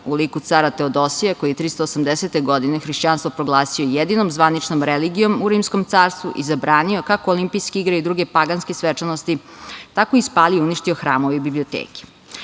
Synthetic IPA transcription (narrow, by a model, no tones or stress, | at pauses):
uliːkut̪saɾat̪e̞od̪o̞sijekojijet̪ɾist̪oːsamd̪eset̪e̞ɡo̞d̪inexɾiʃt͡ɕaːnst̪ʋo̞pɾo̞ɡlˠaːsio̞jed̪inomzʋanit͡ʂnomɾeliɡijo̞muɾiːmsko̞mt̪saːɾst̪ʋṵʔizabɾaːnio̞kakoolimpijskeiɡɾeid̪ɾuːɡepaɡanskesʋet͡ʂanost̪i | t̪akoispaːlieuniʃt̪ioxɾa̰ːmo̞ʋeibibliot̪ḛːke̥